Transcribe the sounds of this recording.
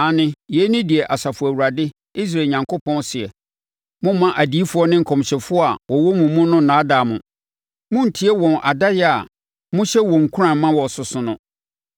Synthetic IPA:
a˨nɪ̃˨jɛ˨˦nĩ˦di˨ɛ˨ʔa˨sa˨fʊ˨æ˨wu˨ɾa˨dɪ˦ | i˦s̬ɾa˨ɲã˨ŋkʰo˦pʰɔ̃˦nsɪ˨ɛ˨ | mʊ̃˦mːã˦ʔa˨di˨˦i˦fʊ˦ɔ˦nɪ̃˦ŋ̩˨kʰɔ̃˨m˨ɕɛ˨fʊ˦ɔ˦a˨wɔ˨wɔ˦mũ˨mũ˦nʊ̃˦n̩˨nãː˨˦da˨mʊ̃˨ | mʊ̃˦n̩˨tʰi˦ɛ˦wɔ̃˨nʔa˨da˦jɛ˦a˨ | mʊ̃˦ɕɛ˦wɔ̃˨ŋ̩˨kʰu˦ɾã˨m˦mã˦wɔ˨sʊ˨sʊ̃˨nʊ̃˦

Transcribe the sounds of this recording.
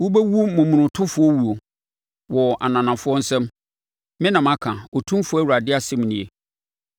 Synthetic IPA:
wu˦be˦wu˦mʊ̃˨mũ˨nʊ̃˨tʰʊ̃˦fʊ˨˦ɔ˦wu˨o˨ | wɔ˨ʔa̰˨nã˨nã˨fʊ˦ɔ˦n̩˦sɛ̃˦m | mɪ̃˦nã˨mã˦kʰã˨ɔ˨tʰũ˦fʊ˦æ˦wu˨ɾa˨dɪ˦a˦sɛ˦m˨nĩ˨e˨

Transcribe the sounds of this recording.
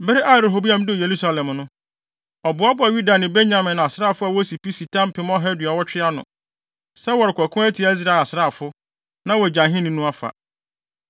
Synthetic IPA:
bɪ˦ɾɪ˦ʔa˦˨ɾo˨ɦo˨bi˦ã˦m˦dɪ˦˨je˨ɾu˦sa˦lɛ̃˨mnʊ̃˦ | ɔ˨bʊ˨˦a˦bʊ˦a˨ɥu˦da˨nɪ̃˨be˦nã˨mɪ̃˨n˨a˨sɾaː˦˨fʊ˦a˨wɔ˦si˨pi˦si˨tʰã˦m˦pʰɪ̃˦m˦ɔ˦ɦɛ˦dɪ˨ɔ˨wɔ˦t͡ɕᶣɪ˦a˦nʊ̰̃˨ | sɛ˦wɔ˨ɾɪ˨kʷɔ˨kʰʊ̃˦æ˦tʰi˨a˨˦i˦z̬ɾa˨˦˨a˨sɾa˦˨fʊ˦ | nã˦wɔ˨d͡ʑã˨ɦɪ̃˦nɪ̃˦nʊ̃˦a˦fa̰˨

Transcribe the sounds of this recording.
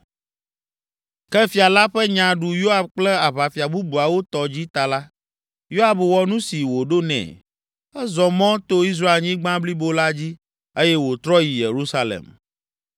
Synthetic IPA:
kɛ˦fi˨a˨la˦ɸɛ˦ɲã˨ɖu˨jo˦a˨b̚k͡plɛ˦a˨βa˨fi˨a˨bu˦bu˨a˨wo˦t̪ɔ˨d͡ʑi˦t̪a˨la˦ | jo˦a˨bwɔ˨nũ˦si˨wo˨ɖo˦nɛ̰̃˨ | ɛ˦zɔ˨mɔ̃˦t̪o˦i˦s̬ɾa˦e˨lɲĩ˦ɡ͡bã˦bli˦bo˦la˦d͡ʑi˦ | e˦jɛ˦wo˨t̪ɾɔ˦ji˨je˨ɾu˦sa˦lḛ˨m

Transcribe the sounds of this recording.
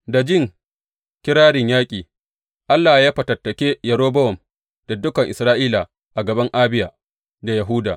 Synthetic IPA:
da˨d͡ʒɪ˦ŋ | kʲɪ˦ɾaː˦ɽɪ˨ɲjaː˦kʲʼiː˨ | ʔa˦lːaː˨jaː˦ɸɐ˨tɐ˨tːɐ˨kʲeː˦jɐ˨ɾoː˦bɐ˦wɔ˨m | d̥a˨dʊ˦kɐ˨ŋʔɪ̰˨sɾaː˦ʔiː˦la˨ | ʔa˨ɡɐ˨bɐ˦ŋʔaː˦bɪ˦jaː˨ | da˨jɐ˨ɦu˦da̰ː˨

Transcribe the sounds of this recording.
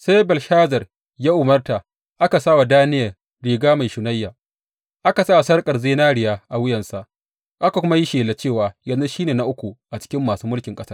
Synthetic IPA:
sa˦jbɐ˨lʃaː˦zɐ˨r | ja˦ʔʊ˨mɐ˦rta˨ | ʔa˦ka˨sa˦wa˨daː˦nɪ˦jɐ˨ | ɾiː˨ɡaː˦ma˨jʃʊ˨na˦jːaː˨ | ʔa˦ka˨saː˦˨sɐ˦rkʼɐ˨rzeː˦naː˦ɽɪ˦jaː˦ʔa˨wʊ˦jɐ˨nsa˦ʔ | ʔa˦ka˨kʷʊ˦ma˦ji˦ʃeː˨le˨t͡ʃeː˦˨waː˨jɐ˨nzu˦ʃiː˦neː˨na˨ʔʊ˦kʷu˨ʔa˨t͡ʃɪ̥˦kʲɪ˦mːaː˨suː˦mʊ˦lkʲɪ˨ŋkʼɐ˦sɐ˦r

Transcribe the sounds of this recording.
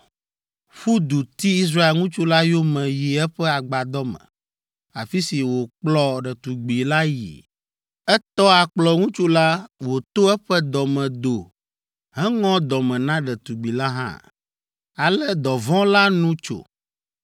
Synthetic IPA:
ɸu˦d̪u˨t̪i˦i˦s̬ɾa˦e˦˨lŋũ˦t͡ʃu˦la˦jo˦mɛ̃˨ji˨ɛ˦ɸɛ˦a˨ɡ͡ba˨d̪ɔ˦mɛ̰̃˨ | a̰˨fi˦si˨wo˨k͡plɔ˦ɖɛ˨t̪u˨ɡ͡bi˨la˦jḭ˨ | ɛ˦t̪ɔ˦a˨k͡plɔ˨ŋũ˦t͡ʃu˦la˦wo˨t̪o˦ɛ˦ɸɛ˦d̪ɔ˨mɛ̃˨d̪o˨ | ɦɛ̃˦ŋɔ̃˦d̪ɔ˨mɛ̃˨nã˦ɖɛ˨t̪u˨ɡ͡bi˨la˦ɦã̰˦ | a˨lɛ˦d̪ɔ˨vɔ̃˦la˦nũ˦t͡ʃo̰˨

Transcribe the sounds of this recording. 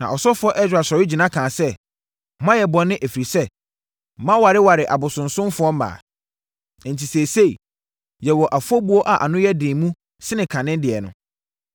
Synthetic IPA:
nã̰˨ʔɔ˨sɔ˦fʊ˦ɔ˦ʔɛ˦d͡ʑᶣa˨ɕɛ˨ɾɪ˦d͡ʑi˨nã˦kʰãː˨sɛ˦˨ | mã˦jɛ˨bɔ̃˨nːɪ̃˦ʔe˨fi˨ɾi˨sɛ˦˨ | mã˦wa˨ɾɪ˦wa˨ɾɪ˨ʔa̰˨bʊ˨sʊ̃˨nsʊ̃˦m˦fʊ˨˦ɔ˦mã̰ː˨ | n̩˨tʰi˨seː˨se˦˨i˨ | jɛ˨wɔ˨ʔa˨fʊ˦ɔ˦bu˦o˦ʔa˨ʔa̰˨nʊ̃˦jɛ˦dɪ̃ː˨mũ˦ | sɪ˦nɪ̃˨kʰã˨nɪ̃˦n˦dɪ˨ɛ˨nʊ̰̃˨

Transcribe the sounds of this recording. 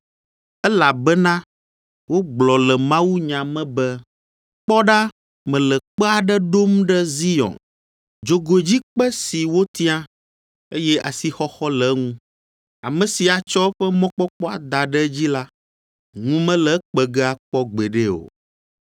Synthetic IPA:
ɛ˦la˨bɛ˦nã˦ | wo˦ɡ͡blɔ˨lɛ˨mã˦wu˦ɲã˨mɛ̃˦bɛ˦ | k͡pɔ˦ɖa˦ | mɛ̃˨lɛ˨k͡pɛ˦a˨ɖɛ˦ɖo˦mɖɛ˦zi˦jɔ̰̃˨n | d͡ʒo˨ɡo˨d͡ʑi˦k͡pɛ˦si˨wo˦t̪i˦ã˦ | e˦jɛ˦ʔa̰˨si˨xɔ˦xɔ˦lɛ˨ŋũ˦ | a̰˨mɛ̃˨si˨a˨t͡ʃɔ˦ɸɛ˦mɔ̃˦k͡pɔ˦k͡pɔ˦a˨d̪a˨ɖɛ˦d͡ʑi˦la˦ | ŋũ˦mɛ̃˦lɛ˨k͡pɛ˨ɡɛ˦a˨k͡pɔ˦ɡ͡bɛ˨ɖe˦o̰˨

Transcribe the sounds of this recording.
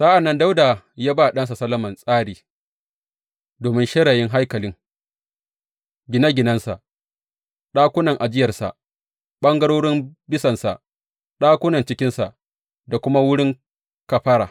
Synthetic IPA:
saː˦ʔa˨nːɐ˦nda˦wdaː˨ | ja˦baː˦˨ɗɐ˦ns̬a˨sɐ˦lːɐ˦mɐ˨nsʼaː˦ɽiː˨ | doː˨mɪ˦nʃɛ˦ɽaː˨jɪ˦ŋɦa˦jkɐ˨lɪ˦ŋ | ɡʲɪ˦na˦ɡʲɪ˨nɐ˦nsa̰˨ʔ | ɗaː˦kʷʊ˦nɐ˨ŋʔa˨d͡ʒɪ˦jɐ˨rsa̰˨ʔ | ɓɐ˦ŋɡɐ˦ɽoː˦ɽɪ˦mbɪ˦sɐ˨nsa̰˨ | ɗaː˦kʷʊ˦nɐ˨nt͡ʃɪ˦kʲɪ˦nsa˨ | da˨kʷʊ˦ma˦wʊ˦ɽɪ˦ŋ | kɐ˨ɸa˦ɽaː˨

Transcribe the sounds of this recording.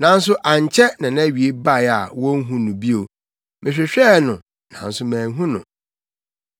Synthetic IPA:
nã˨˦n˦s̬ʊ˦ʔa˨ɲ˨t͡ɕʰɛ˦nã˨nã˦ɥi˨e˦ba˦˨a˨wɔ̃˦ŋ̩˦ɦũ˦nũ˨bi˦o˨ | mɪ̃˨ɕᶣɪ˨ɕᶣɛː˦nʊ̃˨ | nã̰˨˦n̩˦sʊ˦mæ̃ː˨ŋ˦ɦũ˦nʊ̰̃˨

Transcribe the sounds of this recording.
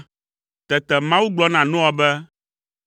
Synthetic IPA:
t̪ɛ˨t̪ɛ˨mã˦wu˦ɡ͡blɔ˦nã˨nũ˦ɔ˦bɛ˦

